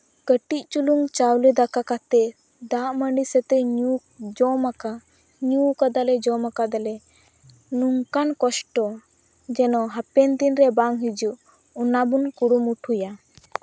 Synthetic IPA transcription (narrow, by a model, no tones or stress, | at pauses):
kəʈic̚t͡ʃuluŋt͡ʃawlɛd̪akakat̪ɛ | d̪aʔməɳɖisɛt̪ɛɲu | d͡ʒɔmaka | ɲukad̪alɛd͡ʒɔmakad̪alɛ | nuŋkankɔsʈɔ | d͡ʒɛnɔɦapɛnd̪inɾɛbaŋɦid͡ʒuʔ | unabunkuɽumuʈʰhuja